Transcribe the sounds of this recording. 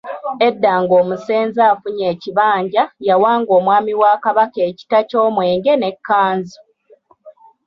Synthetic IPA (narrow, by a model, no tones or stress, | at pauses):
e̞dːaːŋɡoːmuse̞ːnzaːfuɲe̞ːciβaːɲɟajawaːŋɡo̞ːmwaːmiwaːkaβake̞ːci̥taco̞ːmwe̞ːŋɡe̞ne̞kːaːnzi